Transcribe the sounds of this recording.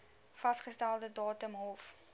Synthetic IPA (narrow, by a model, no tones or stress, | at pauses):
fɐstχəstælˠdədɑːtəmɦɔf